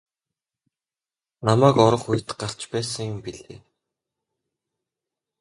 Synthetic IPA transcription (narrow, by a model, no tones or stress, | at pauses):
namæːkɔɾɞ̆χuj̆t̪ɢaɬt͡ɕpæːsə̆ŋjʊmpiɮḛː